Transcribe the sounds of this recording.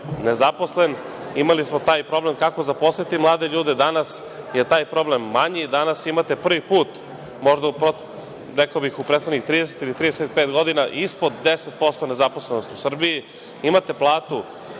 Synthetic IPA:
nezapo̞sle̞n | imalismot̪aːjpɾo̞ble̞mkako̞zaposet̪imlˠaːd̪eʎuːd̪ed̪anas | je̞t̪aːjpɾo̞ble̞mːaɲid̪anasimat̪e̞pr̩ʋipuːt̪ | mo̞ʒd̪aupɾo | ɾekaobixupɾeːt̪xonixt̪ɾiːd̪eset̪ilit̪ɾiːd̪eset̪pet̪ɡo̞d̪inaʔispo̞d̪ːeset̪̚po̞st̪o̞ne̞zapo̞slenost̪usr̩biji | imat̪e̞plˠaːt̪u

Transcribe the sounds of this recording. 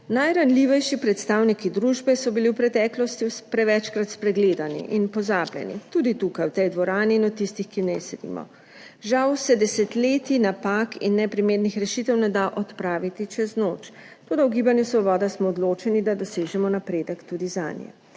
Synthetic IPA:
najɾanliʋɛjʃipɾɛt̪st̪awnikid̪ɾuːʒbɛsɔbiliwpɾɛt̪ɛːklɔst̪ipɾɛʋɛt͡ʃkɾat̪spɾɛɡleːd̪anḭʔinpɔzaːblʲjɛ̰nḭt̪ud̪it̪ukajwt̪ɛjd̪ʋɔɾaːniːnɔt̪ːist̪ixkinɛsɛd̪ḭːmɔ̰ | ʒawsɛd̪ɛsɛt̪leːt̪inapakinːɛpɾimeːdnixɾɛʃit̪ɛwnɛd̪aʔɔt̪pɾaːʋit̪it͡ʃɛznoːt͡ʃ | t̪oːd̪auɡiːbanjɛsʋɔbɔːd̪asmɔːd̪loːt͡ʃɛnid̪ad̪ɔseːʒɛmɔnapɾeːd̪əkt̪ud̪iza̰njɛ̰

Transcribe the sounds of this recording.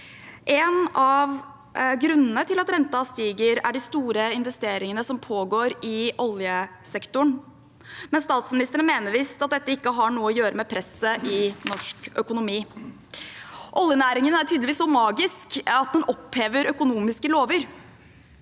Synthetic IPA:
ʔeːnɑʋ | ɡɾʉnːənət̪ʰɪlɑt̪ɾɛnt̪ɑst̪iːɡəɾæɖɪst̪uːɾəɪnʋɛst̪eːɾɪŋənəsɔmpʰoːɡoːɾɪʔɔljəsɛkt̪ʊɳ | mɛnst̪ɑːt̪smɪnɪst̪əɾənmeːnəʋɪsɑt̪̚d̪ɛt̪ːəɪkːəɦɑɳuːəɔjøːɾəmɛpʰɾɛsːəʔɪnɔʂkœkʊnʊmiː | ʔɔljənæːɾɪŋənæʈʰyːd̪lʋiːsɔmɑːɡɪskɑt̪̚d̪ɛnɔpheːʋəɾœkʊnuːmɪskəloːʋəɾ

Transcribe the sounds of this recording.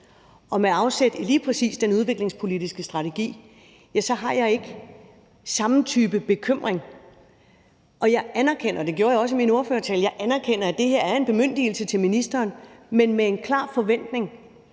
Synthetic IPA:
ɒ̽meɑ̈ʊsed̥iliːpʰʁɛsḭːsd̥enuð̞ˠʋe̝ɡ̥le̝ŋspʰo̝lidisɡ̥əsd̥ʁɑ̈t͡sʰe̝ɡ̥ḭː | jæsɒ̽ɦɑ̈jɑ̈ɪe̝ɡ̥ə | sɑ̈mn̩t͡sʰyːb̥əb̥e̝kʰøm̰ʁeŋ | ʔɒ̽jɑ̈ɪʔænɐkʰen̰ɐd̥e̝ɡ̥jo̝ːɐjaɒ̽s̬əmino̝ɐføːɐt͡sʰɛːljɑ̈ɪʔænæɐkʰen̰ɐæd̥e̝he̝ɐæɐe̝nb̥e̝møn̰d̥il̩sət͡sʰe̝lminisd̥ɐːnmenmee̝nkʰlɑ̰̈ːfɒ̽ʋen̰d̥ne̝ŋ

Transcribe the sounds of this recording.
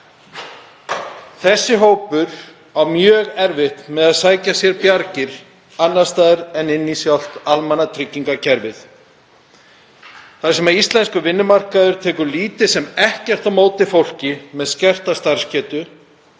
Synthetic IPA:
θɛsːɪɦoːwpʏɾ̥ | awmjœːɣɛɾvɪht̪nmɛðaðsaːjcasjɛɾpjaɾcɪɾ̥ | anːḁst̪aːðɪɾɛnɪnːisjawl̥t̪almanat̪ʰɾɪcːiŋkacʰɛɾvɪθ | θaɾsɛmaðist̪lɛnskʏvɪnːʏmar̥kaðʏɾ̥t̪ʰɛːkʏɾliːt̪ɪsɛmɛhcɛr̥t̪awmoːwt̪ɪfowl̥cɪmɛðscɛr̥t̪ast̪aɾ̥scɛːt̪ʏ

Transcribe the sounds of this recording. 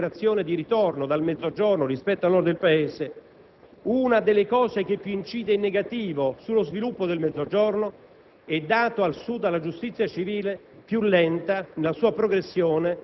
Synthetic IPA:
ɾat̪sːjoːned̪iɾit̪ornod̪almɛd̪oad͡ʒornorispɛt̪ːoalnɔrd̪d̪elpaeːse | unad̪elːekɔːzek̟epːjuint͡ʃiːd̪einːeɡat̪iːvosulːozvilupːod̪elmɛd̪zːod͡ʒorno | ɛd̪ːaːt̪oalsud̪ːalːad͡ʒust̪it̪sːjat͡ʃiviːle | pjulːɛnt̪anelasuːapɾoɡɾesːjoːne

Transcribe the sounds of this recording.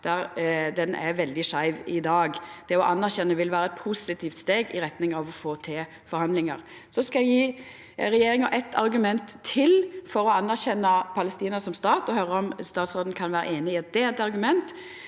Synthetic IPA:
d̪̥æɾd̪ɛnʔæ̰ʋɛld̪ɪʂæɪʋɪd̪ɑːɡd̪̥ɛɔʔɑnːæɾçɛnːəʋɪlʋæːɾəɛt̪̚pʰusɪt̪ʰiːft̪st̪eːɡɪɾɛt̪nɪŋɑʋɔfoːt̪ʰeː | fɔɾhɑnd̪lɪŋəʁ | sɔskɑɛɡjiː | ɾɛjeːɾɪŋəʔɛt̪ʰɑ̰ɾɡʉmɛnt̪ʰːɪlfɔɾɔɑnːæʁçɛnːəpʰɑləst̪iːnəɾsɔmst̪ɑːt̪ɔhœɾəɔmst̪ɑːt̪sʁoːd̪n̩kʰɑnʋæːɾə̰ʔeːnɪɪɛt̪̚d̪ɛːt̪ɑɾɡʉmɛnt̪

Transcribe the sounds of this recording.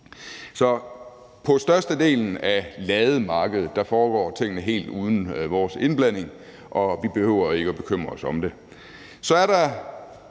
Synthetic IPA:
sɒ̽ | pʰɒ̽sd̥ɶɐsd̥əd̥e̝̰ːln̩ælɛːðˠmɑ̈ːɡ̥əð̞ˠð̩ˠd̥ɑ̈fɒːɡ̥ɒ̰ːt͡sʰe̝ŋ̰ənəɦe̝̰ːld̥uːð̞ˠn̩ʋɒːse̝nb̥læn̰e̝ŋ | ʔɒ̽ʋib̥e̝høʊ̰ɐe̝ɡ̥əɒb̥e̝kʰøm̰ʁɐsɒ̽md̥e̝ | sɒ̽æɐɾɑ

